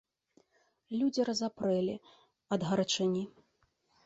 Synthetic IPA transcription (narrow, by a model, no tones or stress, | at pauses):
lʲud͡zʲiɾɐzapɾɛlʲi | ɐd̪ɣɐɾɐt͡ʂɐnʲi